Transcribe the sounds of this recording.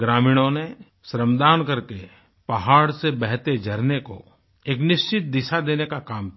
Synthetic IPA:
ɡɾaːmiːɽ̃õne | sɾəmd̪aːnkɐɾke | pɐɦaːɽsebɛɦt̪ed͡ʒʱɐɾneko̰ | eːknɪʃt͡ʃɪt̪̚d̪ɪʃad̪eːnekakaːm

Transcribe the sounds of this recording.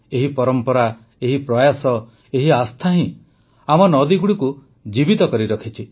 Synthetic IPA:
eɦipɔɾɔmpɔɾa | eɦipɾɔjasɔ | eɦiast̪ʰaɦĩ | amɔnɔd̪iɡuɽiku | d͡ʒibit̪ɔkɔɾiɾɔkʰit͡ʃʰi

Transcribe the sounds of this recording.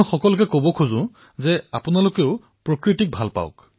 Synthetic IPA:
xɔkɔlʊk̬ɛkobɔkʰuzʊ̃ | zɛapʊnalʊkeʊ | pɹokɹitik̚bʱalpa̰ʊ̰k

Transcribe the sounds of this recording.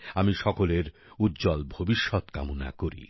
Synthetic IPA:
amiʃɔkoleɾ | ut̪ːd͡ʑɔlbʱobiʃːɔt̪ka̰mona̰koɾḭ

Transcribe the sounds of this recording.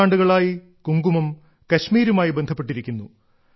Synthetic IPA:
aːɳɖuɣɐɭaːji | kuŋɡumɐm | kɐɕmiːɾumaːjibend̪ʱɐpːe̞ʈ̬ːiɾikʲːunːu

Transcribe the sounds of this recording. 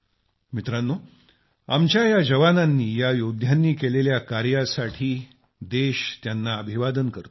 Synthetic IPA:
mit̪ɾanːo | amt͡ɕjajad͡ʑəʋananːiːjajod̪ʱjanːiːkeleljakaɾjasaʈʰiː | d̪eɕt̪janːaəbʱiʋad̪ənkəɾt̪o

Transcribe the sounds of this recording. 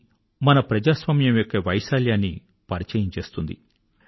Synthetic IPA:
mɐnɐpɾɐd͡ʒaːsʋaːmjɐmjokːɐʋɐjsaːljaːnːi | pɐɾit͡ʃɐjɐmt͡ʃeːst̪und̪ḭ

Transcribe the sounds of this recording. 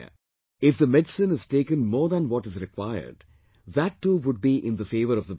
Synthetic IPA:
ɪfd̪əmɛɖsɨ̃nɪz̥ʈeːkə̃nmɔːɾðæ̃nwɔʈɪzɾɪkʰwaɪə̰ɾɖ | ðæʈːuːʋʊɖ̚biʔɪ̃nd̪əfeːvəɾɔvðə

